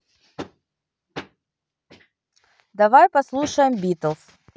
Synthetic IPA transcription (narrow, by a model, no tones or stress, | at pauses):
d̪ɐvajpɐslˠuʂəjɪmbʲit̪əlˠs